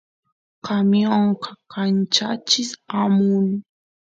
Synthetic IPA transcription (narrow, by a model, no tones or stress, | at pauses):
kamjoɴqɑkant͡ʃat͡ʃɪsamʊn